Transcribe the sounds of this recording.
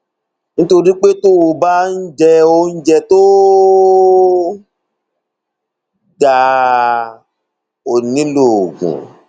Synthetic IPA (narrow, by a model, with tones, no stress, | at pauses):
nĩ˦to˧ɾi˦k͡pe˦to˦wo˧ba˦n̩˦d͡ʒɛ˧o˧n̩˦d͡ʒɛ˧to˦ | da˨ | o˨nĩ˨˦lo˨ɡṵ̃˨